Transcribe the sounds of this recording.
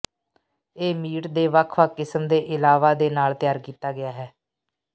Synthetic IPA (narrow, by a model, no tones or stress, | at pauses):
eːmiːʈd̪eːʋakʰʋaːkɪsəmd̪eːʔɪlaːʋaːd̪eːnaːlt̪ɪjaːɾkiːt̪aːɡɪjaːɦɛː